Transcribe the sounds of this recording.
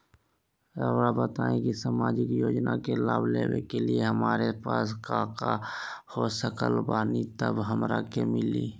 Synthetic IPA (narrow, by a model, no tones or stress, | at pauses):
əɾabət̪aːẽkisamaːd͡ʒɪkjoːd͡ʒnakelaːbleːwekelieɦəmaːɾepaːskaːkahosəkəlbaːnit̪əbɦəmɾakemɪliː